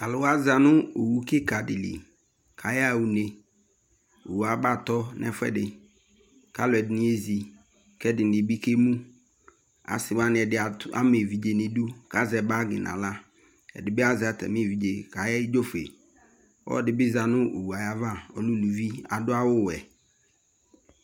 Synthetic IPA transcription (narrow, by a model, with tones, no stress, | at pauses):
ka˨lʊ˨wa˦za˨nʊ̃˦o˨wu˦ke˦ka˨dɪ˨lḭ˨ | kʰa˨ja˦˨wu˨ne˨ | o̰˨wu˨a˨ba˦˨t̪ɔ˦nɛ̰˦fɛ̰˦dɪ˨ | ka˦lʊ˨ɛ˨dɪ˨nɪ̃˦e˦zi˨ | kɛ˦dɪ˨n˨ɪ˨bi˦ke˦mũ˦ | a̰˨sɪ˨wa˦nɪ˨ɛ˨dɪ˨a˨˦a̰˦me˨vi˨d͡ʒe˨ne˨du˦ka˦zɛ˨ba˦ɡɪ̰˨nʔã̰˨la˦ | ɛ̰˨dɪ˨bɪ˦a˦zɪ˨a˨tʰɛ̰˨me˦˨vi˨d͡ʒe˨ka˨jɛ˦ɪ˦d͡ʒo˦fḛ˨ | wɔ̰˦dɪ˨bɪ˦za˨nʊ̃˦ʔo̰˨wu˨a˨ja˦va˦˨ɔ̰˨lʊ˦lu˨vi˦a̰˨dʊ˦a˦wʊ˦wɛ˨